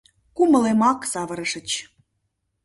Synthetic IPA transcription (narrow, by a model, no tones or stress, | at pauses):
kumə̆lemɑksɑβə̆ɾə̆ʃə̆t͡ɕ